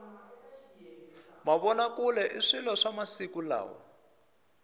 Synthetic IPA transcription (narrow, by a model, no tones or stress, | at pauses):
maβɔnakulɛʔiʂilɔʂamasikula̰ːwɔ̰